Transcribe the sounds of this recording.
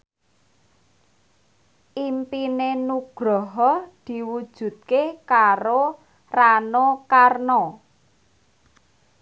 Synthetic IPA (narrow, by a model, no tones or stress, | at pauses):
ʔimpinenuɡ̥ɾɔɦɔd̪̥i̤wud̥ʒ̥ṳt̪̚kekaɾo | ranokarnɔ